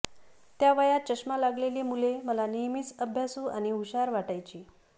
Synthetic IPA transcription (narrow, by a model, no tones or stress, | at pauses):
t̪jaʋəjat̪̚t͡ɕəɕmalaɡleliːmuleməlanijmiːt͡səbʱjasuːañiuɕaɾʋaʈajt͡ɕiː